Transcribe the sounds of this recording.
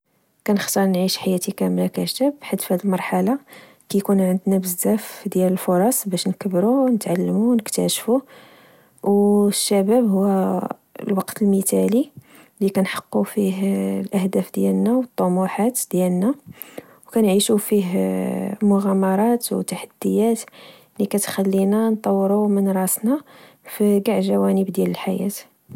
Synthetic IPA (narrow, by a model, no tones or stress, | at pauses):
kænəxt̪ɑɾˤnʕiʃħajæt̪ikæmlækæʃt̪əbħad̪fhæd̪əlmɑɾˤħalɑ | kæjkunʕənd̪næbəzzæfd̪jæləlfoɾˤɑsˤbæʃnkəbɾunət̪ʕalːmuwnəkt̪æʃfu | wʃːæbæbhʊwːæ | lwɑqt̪əlmit̪æli | likænħɑ̥qːufiɦlʔəhd̪æfd̪jælnæwət̪ˤːomuħat̪d̪jælnæ | wkænʕiʃufiɦ | mʊɣæmɑɾˤɑt̪wt̪ːaħad̪̥ːəjæt̪ | likæt̪xælːinænt̪ˤːɑwːɾumənɾˤɑsnɑ | fiɡaʕʒæwænəbd̪jæləlħajæ̰t̪